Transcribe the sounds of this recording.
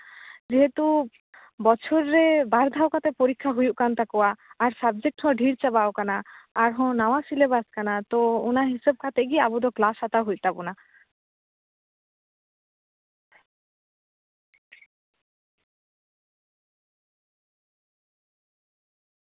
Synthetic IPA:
d͡ʒeɦet̪u | bɔt͡ʃʰoɾːebaɾd̪ʱaokat̪epoɾikʰːaɦujuʔkant̪akɔaːɾsab̚d͡ʒek̚ʈhɔ̃ɖʱiɾt͡ʃabaokanaːɾɦɔ̃nawasilebaskanat̪ɔunaɦisɔb̚kʰat̪eɡiabud̪ɔklasat̪aɦujt̪abuna

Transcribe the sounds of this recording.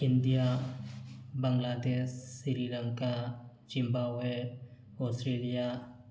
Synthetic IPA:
ɪ̃nd̪ija | bəŋɡlaːd̪essiɾilə̃ŋka | d͡ʒɪ̃mbae | ɔːsʈɾeːlija

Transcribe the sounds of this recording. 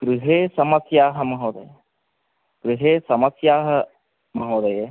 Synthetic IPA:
kɾɪɦeːsɐmɐsjaːɦɐ̆mɐɦoːd̪ɐ̰je | kɾɪɦeːsɐmɐsjaːɦɐ̆ | mɐɦoːd̪ɐje

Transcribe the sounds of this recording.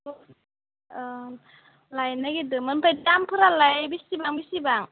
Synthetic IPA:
lajnaɡidɯmɯnpʰajtampʰɯɾalajbisibaŋbisibaŋ

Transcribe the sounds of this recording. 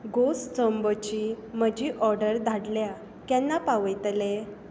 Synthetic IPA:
ɡost͡sɔmbət͡ɕim̤əd͡ʑʱiʔɔɾɖəɾd̪ʱaɽlja | kjɛnːapaʋəjt̪le

